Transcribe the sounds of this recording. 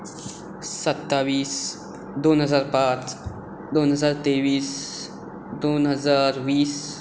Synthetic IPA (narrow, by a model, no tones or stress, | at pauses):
sət̪ːaːʋiːs | d̪oːnɦəzaːɾpaːt͡s | d̪oːnɦəzaːɾt̪eːʋiːs | d̪oːnɦəzaːɾwiːs